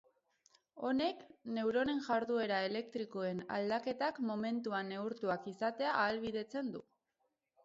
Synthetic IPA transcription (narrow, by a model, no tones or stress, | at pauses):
o̞ne̞kne̞wɾo̞ne̞nʝaɾðue̞ɾaele̞k̚t̪ɾiko̞e̞na̰ld̪ake̞t̪akmo̞me̞nt̪uane̞uɾt̪uakisat̪e̞aʔːlβiðe̞t͡se̞nd̪u